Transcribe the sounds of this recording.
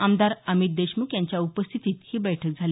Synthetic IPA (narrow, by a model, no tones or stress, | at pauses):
amd̪aɾəmit̪̚d̪eɕmuːkjaɲt͡ɕjaupəst̪ʰit̪iːt̪hiːbɛjʈʰək̚d͡zʱale